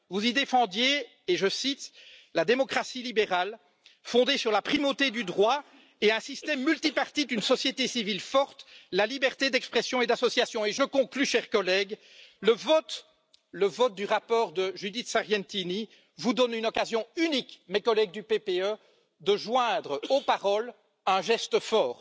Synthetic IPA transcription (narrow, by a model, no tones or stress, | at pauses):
vuzid̪efɑ̃d̪jeː | ʒəsit̪lad̪emɔkχasilibeʁal | fɔ̃d̪esyʁlapχimot̪ed̪yd̪ʁwa | eɛ̃sist̪ɛmːylt̪ipaʁt̪id̪ynsɔsjet̪esivilfɔʁt̪lalibɛʁt̪ed̪ɛkspχɛsjɔ̃ed̪asɔsjasjɔ̃eʒəkɔ̃klyʃɛʁkɔlɛɡ | ləvɔt̪ | ləvɔt̪̚d̪yʁapɔːʁd̪əʒyd̪it̪saʁjɛ̃nt̪ini | vud̪ɔnynɔkazjɔ̃ynikmekɔlɛɡ̚d̪ypepeø | d̪əʒwɛ̃d̪ʁopaʁɔl | ɛ̃ʒɛst̪əfɔːʁ